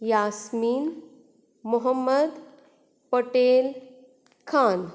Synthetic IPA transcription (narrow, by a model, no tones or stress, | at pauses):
jasmiːn | muɦəmːəd̪ | pəʈel | kʰan